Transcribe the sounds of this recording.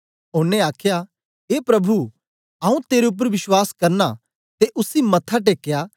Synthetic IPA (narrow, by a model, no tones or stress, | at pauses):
oːneaːkʰja | ɦeːpɾɐbʱu | ɐũt̪eːɾeʊp̬ːəɾʋɪswaːskɐɾna | t̪eʔʊsimɐt̪ʰːaʈ̬eːkːja